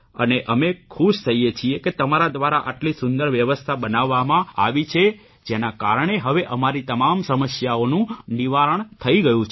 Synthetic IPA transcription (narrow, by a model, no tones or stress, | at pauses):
əneʔəmekʰuʃt̪ʰəɦijet͡ʃʰieket̪əmaɾad̪ʋaɾaʔaʈlisʊnd̪əɾʋjəʋəst̪ʰabənaʋːamãa̰ʋit͡ʃʰe | d͡ʒenakaɾɳ̃eɦəʋeʔəmaɾit̪əmamsəməsjaonũniʋaɾəɳ̃t̪ʰəiɡəjũt͡ʃʰ